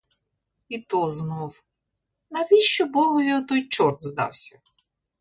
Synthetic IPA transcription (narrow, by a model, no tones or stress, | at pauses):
it̪ɔznɔw | nɐʋʲiʃt͡ʃɔbɔɦɔʋʲiɔt̪ɔjt͡ʃɔrd̪zd̪ɑ̰wsʲɐ